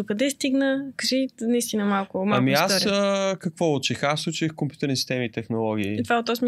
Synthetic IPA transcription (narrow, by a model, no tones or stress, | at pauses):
d̪okɐd̪ɛst̪iɡnəkɐʒinɐist̪inəmalˠkʊmaamiasɾəkɐkvɔot͡ʃixasut͡ʃixkompʲjut̪ɛɾnisi̥st̪ɛmit̪ɛxnolˠɔɡ̟iːt̪vaot̪ːɔsmʲ